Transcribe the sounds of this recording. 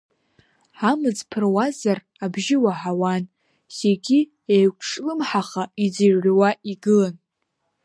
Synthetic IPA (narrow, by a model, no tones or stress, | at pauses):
amɨd͡zpʰɨrwazar | abʒɪwaħawan | seɡʲi | ejkʷʰʂlɨmħaχaid͡ziɥrʲʷwaiɡɨlan